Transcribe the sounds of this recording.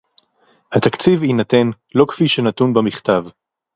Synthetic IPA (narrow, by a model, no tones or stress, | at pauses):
hat̪akt͡sivinat̪e̞n | lo̞kfiʃenat̪unbamiχt̪av